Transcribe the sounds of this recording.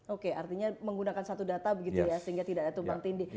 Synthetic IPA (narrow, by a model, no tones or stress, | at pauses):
okeart̪iɲaməŋɡunakansat̪udat̪abəɡit̪ujasəɦiŋɡat̪idaʔdat̪ubaŋt̪indi